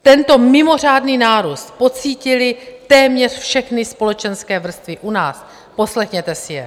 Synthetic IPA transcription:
t̪ɛnt̪o̞mɪmo̞r̝aːdniːnaːɾuːst̪po̞t͡siːcɪlɪt̪ɛːmɲɛr̥fʃɛxnɪspo̞lɛt͡ʃɛnskɛːvr̩st̪vɪʔunaːs | po̞slɛxɲɛt̪ɛsɪjɛ̰

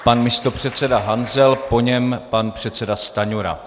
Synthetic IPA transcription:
panmɪst̪o̞pr̝̥ɛt̪t͡sɛdaɦanzɛlpo̞ɲɛmpanpr̝̥ɛt̪sɛdast̪aɲuɾa̰

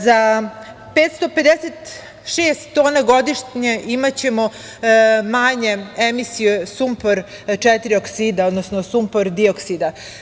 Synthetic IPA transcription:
za | pet̪st̪o̞pe̞d̪eset̪ | ʃeːst̪ːoːnaɡo̞d̪iʃɲeʔimat͡ɕe̞mo | maɲe̞emisijesumpoɾ | t͡ʂɛt̪iɾioksid̪aod̪nosnosumpoɾd̪ioksid̪a

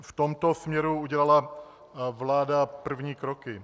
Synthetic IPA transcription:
ft̪o̞mt̪osmɲɛɾuuɟɛlala | vlaːdapr̩vɲiːkɾokɪ

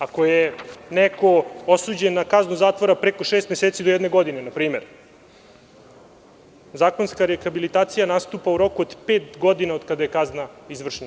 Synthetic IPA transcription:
ako̞jeneko̞osuːd͡ʑenːakaznuzaːt̪ʋoɾapɾeko̞ʃeːst̪meseːt̪sid̪ojɛd̪ne̞ɡo̞d̪inenapɾiːmeɾ | zaːkonskaɾexabilit̪aːt̪sijanast̪uːpauɾo̞kuod̪peːt̪ɡo̞d̪inaod̪kad̪ajekaznaizʋr̩ʂna

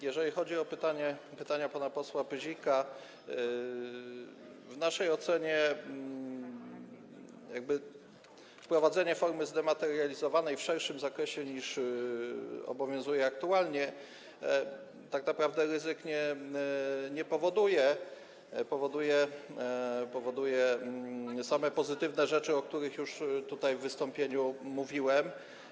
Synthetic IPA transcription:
jɛʐɛlʲixɔd͡ʑiɔpɘt̪aɲɛpɘt̪aɲapanapɔswapɘʑika | vnaʂɛjɔt̪sɛɲɛ | jaɡ̚bɘ | fpɾɔvad̪zɛɲɛfɔɾmɘzd̪ɛmat̪ɛɾjalʲizɔvanɛjfʂɛɾʂɘmzakɾɛɕɛɲiʂ | ɔ̰bɔvʲjɔ̃w̃zujɛak̚t̪ualɲɛ | t̪aknapɾavd̪ɛɾɘzɘkɲɛ | ɲɛpɔvɔd̪ujɛ | pɔvɔd̪ujɛ | pɔvɔd̪ujɛ | samɛpɔzɘt̪ɘvnɛʐɛt͡ʂɘɔkt̪uɾɘxjuʂt̪ut̪ajvːɘst̪ɔmpʲjeɲumuvʲiwɛm

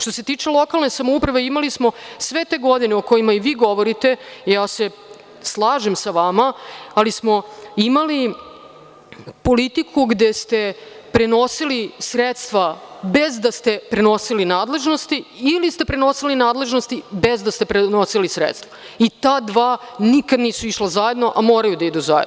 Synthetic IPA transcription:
ʃt̪o̞se̞t̪iːt͡ʂelˠo̞kalˠnesamoupɾaʋe̞imalismo̞sʋe̞t̪e̞ɡo̞d̪ineoko̞imaiʋiːɡo̞ʋoɾit̪e̞jaːse̞ | slˠaːʒemsaʋamaːlismo̞imali | po̞lit̪ikʰuɡd̪est̪e̞pɾe̞no̞silisɾet̪st̪ʋabezd̪ast̪e̞pɾe̞no̞silinaːd̪le̞ʒno̞st̪iːlist̪epɾe̞no̞silinaːd̪le̞ʒnost̪ibe̞zd̪ast̪e̞pɾenosilisɾḛt̪st̪ʋait̪aːd̪ʋaːnikad̪niːsuiʃlazaje̞d̪no̞ʔamoːɾajud̪aid̪uzajḛd̪o

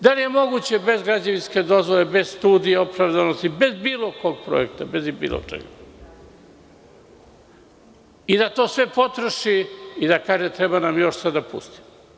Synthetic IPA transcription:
d̪alije̞mo̞ɡut͡ɕe̞be̞zɡɾad͡ʑaʋinske̞d̪o̞zʋole̞be̞zst̪uːd̪ijeo̞pɾaʋd̪anost̪ibe̞zbiːlˠo̞ko̞ɡ̚pɾo̰ekt̪abe̞zibḭːlˠʔo̰t͡ʃḛɡa | id̪at̪o̞ːsʋe̞po̞t̪ɾoʃiid̪akaːʒet̪ɾebanamjo̞ʃsad̪apṵst̪i̥m

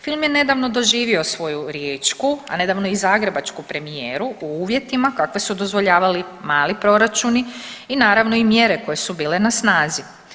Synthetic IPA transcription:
filˠmje̞ne̞d̪aʋno̞d̪o̞ʒiːʋio̞sʋo̞juɾjeːt͡ʃkua̰ne̞d̪aːʋno̞izaːɡɾe̞bat͡ʃkupɾe̞mijeːɾuuuːʋje̞t̪imakakʋe̞sud̪o̞zʋo̞ʎaːʋali | maːlipɾo̞ɾat͡ʃuniinaːɾaʋno̞imje̞ɾe̞ko̞je̞subiːle̞nasnaːzi

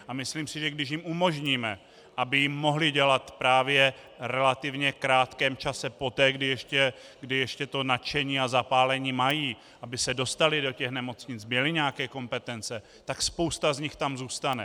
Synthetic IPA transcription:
ʔamɪsliːmsɪʒɛɡdɪʃ̬jɪmʔumo̞ʒɲiːmɛ | ʔabɪjɪmːo̞ɦlɪɟɛlat̪pɾaːvjɛ | ɾɛlat̪ɪvɲɛkɾaːt̪kɛːmt͡ʃasɛpo̞t̪ɛːɡdɪjɛʃcɛ | ɡdɪjɛʃcɛt̪o̞nat͡ʃɛɲiːazapaːlɛɲiːmajiː | ʔabɪsɛdo̞st̪alɪdo̞cɛxnɛmo̞t͡sɲɪt͡smɛlɪɲɛakɛːko̞mpɛt̪ɛnt͡sɛ | t̪akspo̞wst̪azɲɪxt̪amzuːst̪anɛ

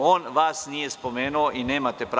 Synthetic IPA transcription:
ɔːnʋasnijɛspɔmeːnuwʔinːeːmat̪ɛpɾ

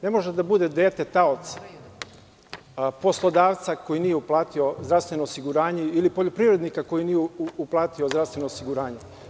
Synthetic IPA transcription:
ne̞mo̞ʒed̪abud̪e̞d̪e̞ːt̪e̞t̪aot̪sḁ | po̞slˠo̞d̪aːʋt̪sako̞jinijeuplˠaːt̪io̞zd̪ɾaʋst̪ʋe̞no̞ːsiɡuɾaːɲeilipo̞ʎopɾiːvɾe̞d̪nikako̞jinijeuplˠaːt̪iozd̪ɾavst̪ʋe̞no̞ːsiɡuɾaːɲe

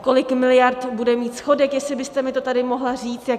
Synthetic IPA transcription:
ko̞lɪkmɪlɪjaɾt̪budɛmiːt̪sxo̞dɛkjɛslɪbɪst̪ɛmɪt̪o̞t̪adɪmo̞ɦlariːt͡st̪ja

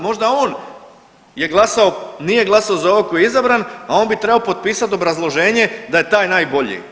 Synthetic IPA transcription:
mo̞ʒd̪ao̞ːn | je̞ɡlˠasao̞nije̞ɡlˠasaozaoakojeizabɾanao̞ːnbit̪ɾe̞baopo̞t̪̚piːsat̪o̞bɾazlˠo̞ʒeːɲe̞d̪aje̞t̪aːjnaːjbo̞ʎḭ

